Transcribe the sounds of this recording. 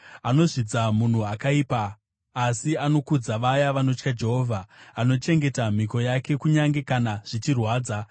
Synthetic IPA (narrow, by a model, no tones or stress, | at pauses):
ano̞ʐid͡zamun̤uakaiːpaː | siano̞kud͡zaʋajaʋano̞t͡ʃkad͡ʒe̞ɦo̞ːvʱaːno̞t͡ʃe̞ŋɡe̞tam̤iko̞jake̞kuɲaŋɡe̞kanaʐ̥it͡ʃirwaːd͡za